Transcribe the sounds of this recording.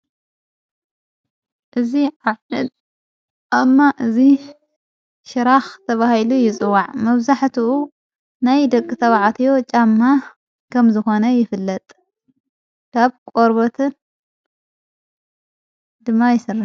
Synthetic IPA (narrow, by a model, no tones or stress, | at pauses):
ʔɨziʕaʕɨd̪ | ʔamːaʔɨzi | ʃɨɾaxt̪ʰɐβahilujɪt͡sʼɨwːaʕmɐβzaħt̪uʔu | najd̪ɐkʼːɨt̪ʰɐβʕat̪ʰijo̞t͡ʃʼamːa | kʰɐmzɨxo̞nɐjɪfɨlːɐt̪ʼ | kʰaβkʷʼoɾbot̪ʰɨn | d̪ɨmːajɪsɨrːa